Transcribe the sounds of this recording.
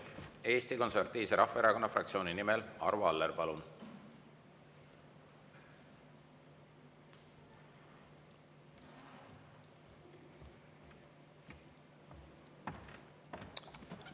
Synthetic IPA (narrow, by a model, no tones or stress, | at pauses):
e̞ːst̪iko̞nsert̪ːiːvseɾʔɑfːɑeɾɑko̞nːɑfrɑk̪̚sioːninimelɑ̰ɾvuɑlːerpɑlun